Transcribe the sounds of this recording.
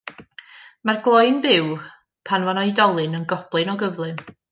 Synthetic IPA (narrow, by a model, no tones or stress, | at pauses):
marɡlˠɔjnbɪw | pʰanvanɔɨjdɔlˠɨnənɡɔb̥lˠɨnɔɡəvlˠɨn